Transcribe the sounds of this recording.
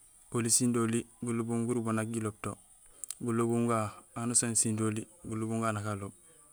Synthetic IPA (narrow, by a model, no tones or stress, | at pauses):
olisindoliɡulubuŋɡuɾubonaɡ̚ɡilob̚to | ɡulobuŋɡaanosonsindoliɡulubuŋɡaːnakalob̚